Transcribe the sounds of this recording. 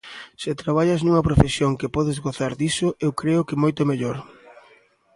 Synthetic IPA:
sɪt̪ɾaβ̞aʎaznuŋɐpɾofesjoŋkɪpɔðezɣoθaɾðisoʔewkɾeʊkɪmojt̪ʊmeʎoɾ

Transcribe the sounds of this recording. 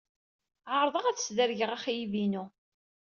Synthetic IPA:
ʕəɾˤðˤəʁæθə̥sðəɾʝəʁæχjivinu

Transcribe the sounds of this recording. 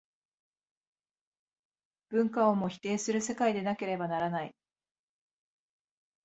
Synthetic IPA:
b̥ɯ̟̃ŋkao̞mo̞çi̥t̪e̞ːsɨɾɯ̟se̞kaid̪e̞nake̞ɾe̞banaɾanai

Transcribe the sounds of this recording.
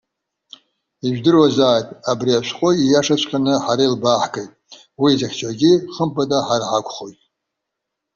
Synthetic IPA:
iʒᶣdɨrwazaːjtʼabriaʃʷqʷʼoijaʂat͡ɕʷʰʼkʰʲʼanɨħaɾailbaħkʼejtʼ | wiːzaxʰʲt͡ʃʰʼaɡʲiχəmpʼadʼaħarʕakʷʰʼχojtʼ

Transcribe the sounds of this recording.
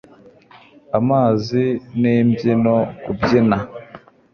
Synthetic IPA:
amaːzineːmbjinokubjina

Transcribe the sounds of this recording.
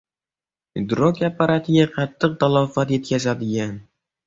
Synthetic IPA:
id̪ɾokʲapːaɾat̪ʰɪɡʲaqʰɑt̪ʰːɨq̚t̪alˠɒfat̪je̞t̪̚kʲazad̪ɪɡʲan

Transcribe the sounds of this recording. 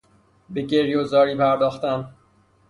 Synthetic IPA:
beɟeɾjozɒːɾiːpʰæɾd̪ɒːxt̪æn

